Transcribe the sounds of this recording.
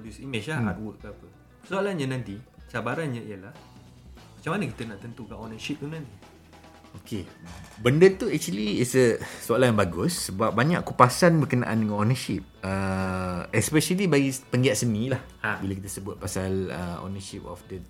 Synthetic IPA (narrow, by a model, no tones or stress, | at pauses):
podjusimẽʃaa̰t̪̚wut̪̚apə | soalanɲanãnt̪it͡ʃabaɾanɲaijəlah | mat͡ʃamanəkit̪ənaʔt̪ənt̪ukanɔnəʃip̚t̪unãnt̪i | okʰebəndət̪uɛk̚t͡ʃuəliːsəsoalajãŋbaɡʊsːəbap̚baɲa̰ʔkupasanbərkəna̰ʔa̰ndəŋãnonəʃip̚ə | ɛspɛʃəlibaɡipəŋɡiaʔ̪̚sənĩlah | bilək̬it̪əsəbʊt̪̚pasalə̰o̰nəʃipɔ̰fdə